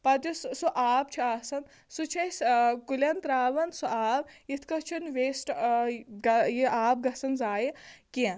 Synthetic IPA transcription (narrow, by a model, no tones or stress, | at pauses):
pɐt̪jussuʔaːp̚t͡ʃʰiaːsɐn | sut͡ʃʰɐskulʲɐnt̪ɾaːʋɐnsuʔaːbit̪ʰkɐt͡ʃʰunʋeːsʈ | ɡɐjiʔaːb̚ɡɐsɐnzaːjikin